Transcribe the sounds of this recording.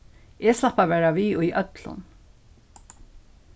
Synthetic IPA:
ʔɛːslapaʋɛːɹaʋiːʊjʔœt̪lʊ̰n

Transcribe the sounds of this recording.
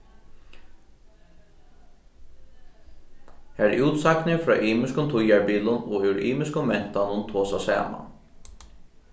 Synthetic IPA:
hæɾʔuːt̪saknɪfɾɑ̰ːʔiːmɪskʊnt̪ʰʊjaɹbiːlʊnɔːʉɹḭːmɪskʊmmɛn̥t̪anʊnt̪ʰoːsasæ̰ːma̰

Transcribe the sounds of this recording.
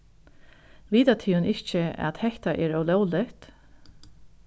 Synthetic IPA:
ʋiːt̪at̪ʰiːnɪçt͡ʃəa̰t̪hɛht̪aʔɛːɾœwlɔwlɪht̪

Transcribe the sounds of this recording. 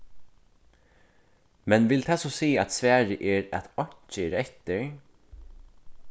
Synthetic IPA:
mɛnʋɪlt̪ʰaːsɔsiːæt̪sʋæːɹəʔɛːɾæ̰t̪ɔɲ̥t͡ʃəɾɛt̪əɹ

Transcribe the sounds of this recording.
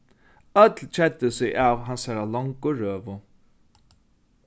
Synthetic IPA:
œt̪lt͡ʃʰɛt̪ːɪsɪjʔaːvɦansaɾalɔŋkʊɹøːvʊ

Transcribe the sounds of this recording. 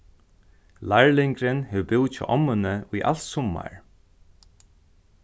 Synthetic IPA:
laɹlɪŋkɾɪnhɛwbɪwt̪t͡ʃʰɔ̰ʔɔmːʏnəʊjʔa̰l̥t̪sʊmːa̰ɹ

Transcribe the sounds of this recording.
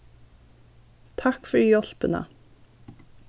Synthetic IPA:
t̪ʰɑkfɔɾjɔlpənə̰

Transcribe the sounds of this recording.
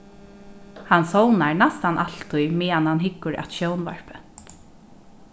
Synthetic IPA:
hansownaɹnast̪anʔalt̪ʰːʊjmɛːanhanɦɪkːʊɹa̰t̪ʃownva̰ɹ̥pɛnt̪

